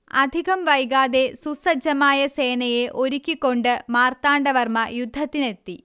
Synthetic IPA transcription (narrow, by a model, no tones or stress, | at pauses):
ɐd̪ʱiɣɐmʋɐjɡaːðe̞susɐd͡ʑɐmaːjɐse̞ːɳɐje̞ʔo̞ɾukʲːikːo̞ɳɖɨmaːrt̪aːɳɖɐʋɐrmɐjud̪ʱːɐt̪ːine̞t̪ːi